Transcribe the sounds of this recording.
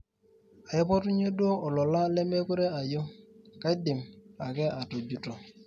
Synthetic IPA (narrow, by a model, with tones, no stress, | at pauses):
a˨jɔ˦pɔ˦tu˦ɲe˦du˦o˦ʔɔ˨lɔ˨la˦lɛ˦me˦kʷu˦ɾe˦a˨jo˦ka˦i˦dɪ˨ma˨kɛ˦ʔa˨to˨d͡ʒu˨tɔ˨